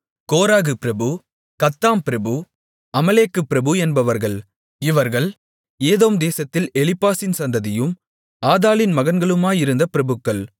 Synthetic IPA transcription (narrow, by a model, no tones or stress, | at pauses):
koːɾaːɣɯpɪɾɐbɯ | kɐt̪ːaːmpɪɾɐbɯ | ɐmɐleːkːɯpɪɾɐbɯɛnbɐʋɐɾɣɐɭ | ɪʋɐɾɣɐɭ | eːðoːmd̪eːsɐt̪ːɪlɛlɪpːaːsɪnsɐnd̪ɐðɪjɯm | aːðaːlɪnmɐɣɐnɡɐɭɯmaːjɪɾɯnd̪ɐpɪɾɐbɯkːɐɭ